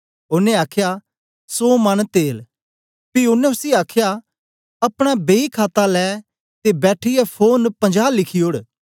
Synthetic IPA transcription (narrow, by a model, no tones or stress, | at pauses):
ʊnẽaːkʰja | soːmɐnt̪eːl | piʊnẽʊsiaːkʰja | ɐpɽ̃abeikʰaːt̪alɛː | t̪ebɛːʈʰɪjapʰoːnpə̃ɲd͡ʒaːlɪkʰioɽ